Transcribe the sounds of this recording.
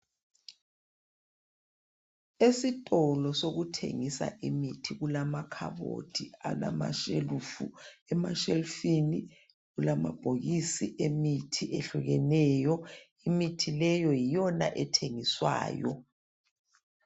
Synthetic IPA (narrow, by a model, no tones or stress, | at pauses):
esitʼɔlɔsoɣutʰḛŋisa̰ʔimitʰiɣulamakʰa̰βo̰dʰia̰lama̰ʃelufṵɛmaʃelfini | ɣulama̰b̥ʱoɣisiʔemitʰiʔeɬuɣɛnɛːjɔ | imitʰilɛjɔjijɔna̰ʔɛtʰeŋiswa̰ːjɔ̰